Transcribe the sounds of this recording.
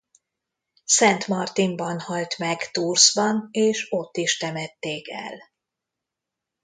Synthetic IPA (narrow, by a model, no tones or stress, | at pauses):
sɛnt̪mɒrt̪imbɒnhɒlt̪mɛɡt̪urzbɒneːʃo̞t̪ːiʃt̪ɛmɛt̪ːeːkɛ̰l